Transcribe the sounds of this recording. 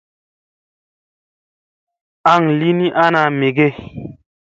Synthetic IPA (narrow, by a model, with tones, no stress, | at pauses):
a˦˨ŋli˦ni˦ʔa˦na˨me˨ɡe˦˨